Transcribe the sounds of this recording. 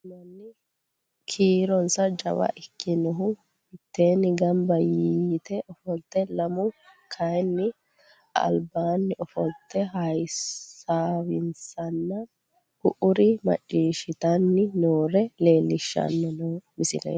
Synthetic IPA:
nɐnːɪ | kʰiːɾɔnsɐd͡ʒɐ̰wɐ̰ʔɪkʰːɪnɔɦʊ | hɪt̪ːe̞ːnɪɡɐmbɐjiːt̪ɛʔɔfɔlt̪ːɛlɐmʊkʰɐjnːɪ | ɐ̰lbaːnːɪɔfɔlt̪ːɛhɐj | aːwɪnsɐnːɐ | hʊʔʊɾɪmɐ̰t͡ʃʼːiːʃɪt̪ɐnːɪnoːɾɛle̞ːlːɪʃːɐ̰nːɛnɔmɪsɪlɛ̰

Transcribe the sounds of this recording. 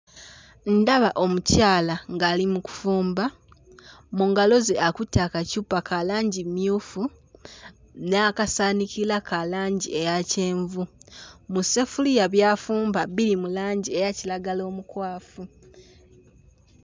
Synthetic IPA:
n̩daβaʔo̞mucaːlaŋɡaːlimuku̥fuːmba | muŋɡalo̞zeʔakutːakacuːpakalaːɲɟimjuːfu | nakasaːnikilakalaːɲɟie̞jace̞ːɱvumusefulijaβjaːfuːmbaβilimulaːɲɟiejacilaɡalo̞ːmukwaːfu

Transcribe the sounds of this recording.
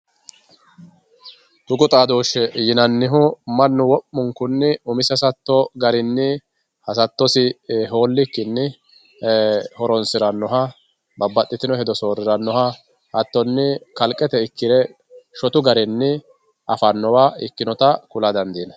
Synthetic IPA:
t̪ʊɡʊt̪ʼaːd̪oːʃɛjɪnɐnːɪɦʊmɐnːʊwɔpːʊŋkʊnːɪʊmɪsɛsɐt̪ːɔɡɐɾɪnːɪ | hɐsɐt̪ːɔsɪɦo̞ːlːɪkːɪnːɪ | hɔɾɔnsɪɾɐnːɔɦɐ | bɐbːɐt̪ʼːɪt̪ɪnɔhɛd̪ɔso̞ːɾɪɾɐnːɔɦɐ | hɐt̪ːɔnːɪkɐlkʼːɛt̪ɛɪkːɪɾɛ | ʃɔt̪ʊɡɐɾɪnːɪ | ʔɐfɐnːɔwaːɪkːɪnɔt̪ɐkʊlɐd̪ɐnd̪iːnɐ

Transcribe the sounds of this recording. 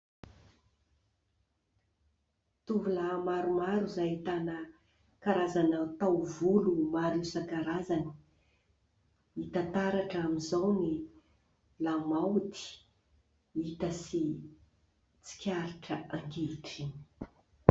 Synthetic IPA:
t̪uvulamaɾumaɾuzajit̪anə | kaɾazanat̪awvulumaɾusakaɾazani̥ | it̪at̪aɾaʈ͡ʂamizawni | lamawt̪i̥ | it̪əsi | t͡si̥kʲaɾiʈ͡ʂəaŋkeʈ͡ʂi̥

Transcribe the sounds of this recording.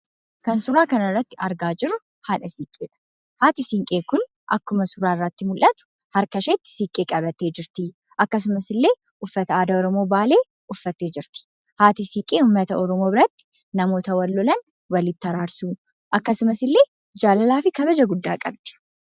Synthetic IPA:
kɐnsʊɾaːkɐnɐrːɐt̪ːɪɐɾɡaːd͡ʒɪɾːʊ | haːᶑɐsiːkʼːeːᶑɐ̥ | haːt̪ɪsiŋkʼe̞ːkʊn | ʔɐ̰kːʊmɐsʊɾaːɪrːɐt̪ːɪmʊlʔɐt̪ʊ̥ | hɐɾkɐʃeːt̪ːɪ̥siːkʼːeːkʼɐbɐt̪ːeːd͡ʒɪɾt̪ɪ | ʔɐkːɐs̬ʊmɐsɪlːe̞ː | ʊfːɐt̪ɐaːd̪ɐɔɾɔmo̞ːbaːle̞ː | ʊfːɐt̪ːeːd͡ʒɪɾt̪ɪ̥ | haːt̪ɪsiːkʼeːhʊmːɐt̪ɐɔɾɔmoːbɪɾɐt̪ːɪ̥ | nɐmo̞ːt̪ɐwɐlːɔlɐn | wɐlɪt̪ːɐɾaːɾsuː | ʔɐkːɐsʊmɐsɪlːe̞ː | d͡ʒaːlɐlaːfɪkɐbɐd͡ʒɐɡʊd̪ːa̰ːkʼɐ̰bd̪̥ɛ̥

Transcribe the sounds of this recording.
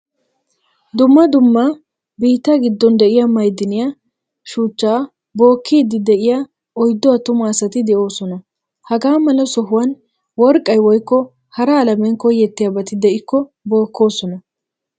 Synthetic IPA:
d̪ʊmːɐd̪ʊmːɐ | biːt̪ːɐɡɪd̪ːɔnd̪ɛʔɪjamɐjd̪ːɪnɪja | ʃuːt͡ʃːaː | bo̞ːkʰːiːd̪ːɪd̪ɛʔɪja | ɔjd̪ːɔat̪ʊmaːsɐt̪ɪd̪ɛʔo̞ːsɔnɐ | hɐɡaːmɐlɐsɔɦʊwɐn | wɔɾkʼːɐjwɔjkːɔ | hɐɾɐːlɐmɛnkɔjːɛt̪ːɪjabɐt̪ɪd̪ɛʔɪkːɔ | bo̞ːkːo̞ːsɔnɐ

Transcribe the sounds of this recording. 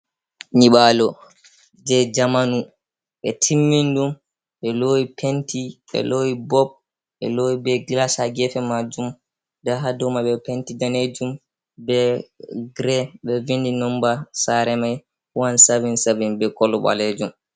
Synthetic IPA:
ɲiɓalɔ | d͡ʒɛd͡ʒamanu | ɓɛtʰimːindum | ɓɛlowipʰentiɓɛ̰loːwibɔb̚ | ɓɛ̰loːwibɛɡlasaɡɛfɛmad͡ʒum | daɦadɔmaɓɛpentidaned͡ʒum | bɛɡɾɛɓɛvindinɔmbasaɾɛmaj | huwansavinsavinbɛkɔlɔɓa̰led͡ʒum

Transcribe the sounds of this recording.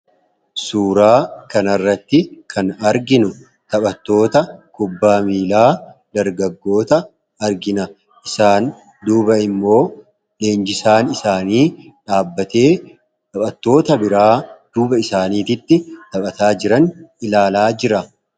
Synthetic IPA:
suːɾaːkɐnɐrːɐt̪ːɪkʰɐnɐɾɡɪnʊ | t̪ɐɓɐt̪ːo̞ːt̪ɐkʊbːaːmiːlaːd̪ɐɾɡɐɡːo̞ːt̪ɐː | ɾɡɪnɐ | ʔɪsaːn | d̪uːbɐɪmːo̞ː | le̞ːnd͡ʒɪsaːnɪsaːniː | ᶑaːbːɐt̪e̞ː | t̪ɐpʼɐt̪ːo̞ːt̪ɐbɪɾaːd̪̥uːbɐɪsaːniːt̪ɪt̪ːɪt̪ɐɓʼɐt̪aːd͡ʒɪɾɐnɪlaːlaːd͡ʒɪɾɐ

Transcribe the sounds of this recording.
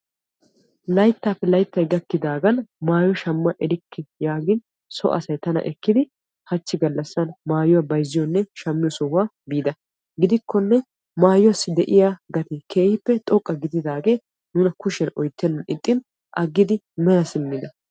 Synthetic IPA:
lɐjt̪ːaːpːɛlɐjt̪ːɐjɡɐkːɪd̪aːɡɐnmaːjɔʃɐmːɐʔɛɾɪkːɪjaːɡɪn | sɔ̰ʔɐ̰sɐjt̪ɐnɐ̰ʔɛkːɪd̪ɪ | hɐt͡ʃːɪɡɐlːɐsːɐnmaːjʊwabɐjzɪjɔnːɛʃɐmːɪjɔsɔhʊaː | biːd̪ɐ | ɡɪd̪ɪkʰːɔnːɛ | maːjʊwasːɪd̪ɛʔɪjaːɡɐt̪ɪkʰeːhɪpːɛt̪ʼɔkʼːɐɡɪd̪ɪd̪aːɡeː | nuːnɐkʊʃɛnʔɔjt̪ːɛnːɪt̪ʼːɪn | ʔɐɡːɪd̪ɪ | mɛlɐsɪmːɪd̪ɐ

